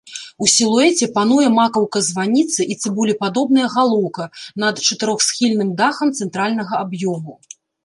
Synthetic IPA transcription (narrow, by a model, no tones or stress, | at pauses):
usʲilˠuɛt͡sʲɛpan̪ujɛmakɐwkɐzvanʲit̪sɨʔit̪sɨbulʲipad̪ɔbnɐjɐɣalˠɔwkɐnɐt̪t͡ʂɐt̪ɨɾɔxsʲxʲilʲnɨmd̪axɐmt̪sɛnt̪ɾalʲnɐɣɐabjɔmu